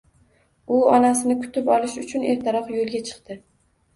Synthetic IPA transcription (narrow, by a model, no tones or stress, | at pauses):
ʊɒnasɪnɪkʰʊ̥t̪ɪpɒlɪʃʊt͡ʃʰʊne̞ɾt̪ʰaɾɒqjolˠɡʲat͡ʃʰɨ̥qt̪ɪ